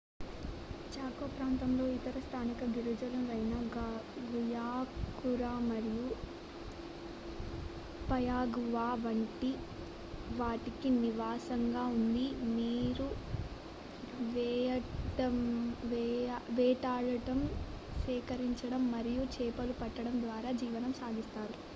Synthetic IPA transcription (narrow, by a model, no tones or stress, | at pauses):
t͡ʃaːkoːpɾaːnt̪ɐmlo̞ːit̪ɐɾɐst̪ʰaːnikɐɡiɾud͡ʒɐlɐmɾɐjnaːɡaɡujaːkuɾaːmɐɾiju | pɐjaːɡuʋaːʋɐɳʈi | ʋaːʈikiniʋaːsɐŋɡaːund̪imiːɾu | ʋɛʈɐʋʋɛːʈaːɭɐʈɐm | sɛːkɐɾiɲt͡ʃɐɽɐmːɐɾijut͡ʃɛːpɐlupɐʈːɐɽɐmd̪ʋaːɾaːd͡ʒiːʋɐnɐmsaːɡist̪aːɾu